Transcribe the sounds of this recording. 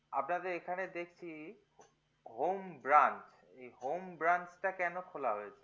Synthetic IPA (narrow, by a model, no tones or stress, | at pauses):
a̰pnad̪eɾekʰaned̪ekʰt͡ɕʰi | ɦombɾant͡ɕ | ejɦombɾant͡ɕʈakɛnokʰolaɦojet͡ɕʰe̥